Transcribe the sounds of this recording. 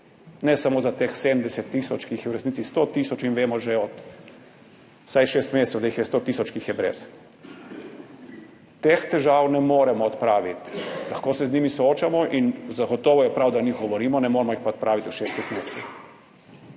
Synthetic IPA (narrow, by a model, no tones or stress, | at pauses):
nɛsamoːzat̪eːxseːd̪n̩d̪ɛsɛt̪ːiːsɔt͡ʃkiːxjɛwɾɛsniːt̪sist̪ot̪iːsɔt͡ʃinʋeːmɔʒeɔt̪ | sajʃeːst̪meːst̪ɛwd̪aixjɛst̪oːt̪iːsɔt͡ʃkiːxjɛbɾḛːs | t̪ext̪ɛʒaːwnɛmoːɾɛmɔɔt̪pɾaːʋit̪laxkoːsɛzniːmisɔoːt͡ʃamɔʔinzaɡɔt̪ɔːʋɔjɛpɾawd̪anixɡɔʋɔɾiːmɔnɛmoːɾmɔixpaɔt̪̚pɾaːʋit̪uʃeːst̪ɛxt̪meːssɛx